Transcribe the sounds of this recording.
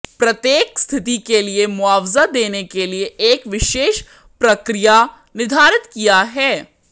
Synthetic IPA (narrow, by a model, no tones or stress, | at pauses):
pɾɐt̪jeːkst̪ʰɪt̪ikeliemʊaːʋzad̪eːnekelieʔeːkʋɪʃeːʃ | pɾɐkɾija | nɪd̪ʱaːɾɪt̪kijaɦɛː